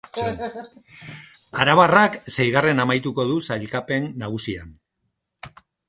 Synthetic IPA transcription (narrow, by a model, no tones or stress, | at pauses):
aɾaβaraksejɣare̞namajt̪uko̞ðusajlkape̞nːaɣ̞usia̰n